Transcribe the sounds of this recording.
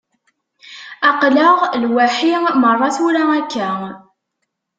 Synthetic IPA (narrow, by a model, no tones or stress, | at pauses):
ɑqləʁlwæħimərˤːɑθuɾaækːæ